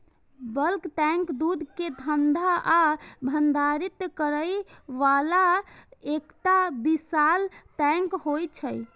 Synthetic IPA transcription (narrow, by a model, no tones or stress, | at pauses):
bəlkʈ̪ɛ̃ŋkd̪ud̪ʱked̪ʱənd̪ʱaʔːbʱənd̪ʱaɾit̪kəɾəjʋalaekt̪abisalʈɛ̃ŋkhojt͡ʃʰəj